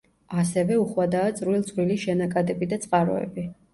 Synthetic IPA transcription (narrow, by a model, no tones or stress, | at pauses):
asɛvɛuχwad̪aːt̪sʼɾwilˠt̪sʼwiliʃɛnakʼad̪ɛbid̪at̪sʼqʼaɾɔ̰ɛ̰bi